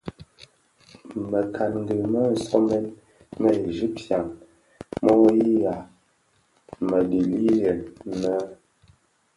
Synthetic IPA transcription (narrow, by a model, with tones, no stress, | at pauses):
mə˨kʰa˨nŋ̩˦ɡə˨mə˦n̩˨sɔ˦mɛ˦n | mə˦e˨ʒi˦p̚tja˨ŋ | mɔ˦ji˦ja˨ | mə˨di˨li˦jɛ˨nə˦